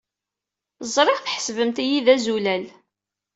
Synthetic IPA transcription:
zˤɾˤɪʁθħə̥svəmt̪ijiðæzulæl

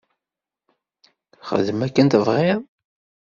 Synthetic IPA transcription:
χə̰ðəmækːənt̪əvʁi

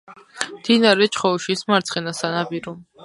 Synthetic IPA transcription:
md̪̥inaɾɛt͡ʃʰχɔʃismaɾt̪sʰχɛnasanabiɾɔ

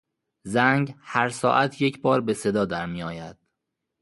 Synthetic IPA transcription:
zæŋɡhæɾsɒ̰ːʔæt̪ʰje̞cʰbɒːɾbe̞se̞d̪ɒːd̪æɾmijɒːjæd̪̥̚

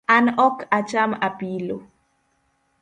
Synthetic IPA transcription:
anɔkat͡ʃamapilo

